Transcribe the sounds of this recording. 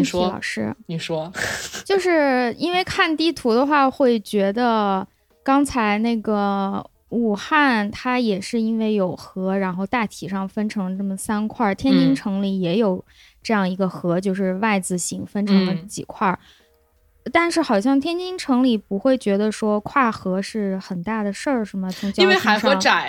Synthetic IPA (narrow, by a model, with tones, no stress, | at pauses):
ʂɻ̩˥˩˨ʂɔ˥t͡ɕjo˥˧ʊʂɻ̩˥˩i˥nwe˥˧ɪkʰa˥˩nt̪i˥˩t̪ʰu˧˥d̪ə˧xwa˥˧xwe˥˩ɪt͡ɕɥɛ˧˥d̪ə˧ | kɑ˥ŋt͡sʰa˧˥ɪne˥˩ɡə˩ | u˨˩xa˥˩nt̪ʰa˥jɛ˨˩ʂɻ̩˥˩˧i˥nwe˥˩ɪjo˨˩ʊxɤ˧˥ɻa˧˥nxo˥˧ʊt̪a˥˩t̪ʰi˨˩ʂɑ˥˩ŋfə˥nʈ͡ʂʰɤ˧˥ŋə˧ʈ͡ʂɤ˥˩mə˩sa˥nkʰwa˥˩t̪ʰjɛ˥nt͡ɕi˥ŋʈ͡ʂʰɤ˧˥ŋli˧˩jɛ˧˥jo˨˩ʊ | ʈ͡ʂɤ˥˧jɑ˥˩ŋi˧˥ɡə˧xɤ˧˥t͡ɕjo˥˧ʊʂɻ̩˥˧wa˥˩ɪd͡zɹ̩˨˩ɕi˧˥ŋfə˥nʈ͡ʂʰɤ˧˥ŋlə˧t͡ɕḭ˨˩kʰwa˥˩ | t̪a˥˧nʂɻ̩˥˩xɑ˨˩ʊɕ̬jɑ˥˩ŋt̪ʰjɛ˥nt͡ɕi˥ŋʈ͡ʂʰɤ˧˥ŋli˨˩pu˧˥xwe˥˩ɪt͡ɕɥɛ˧˥d̪ə˧ʂwɔ˥kʰwa˥˩xɤ˧˥ʂɻ̩˥˩xə˨˩nt̪a˥˩d̪ə˩ʂə˥˩ʂɻ̩˧˥˩mə˧t͡sʰʊ˧˥ŋt͡ɕji˥nwe˥˧ɪxa˧˥ɪʂo˧˥˧ŋa˨˩˦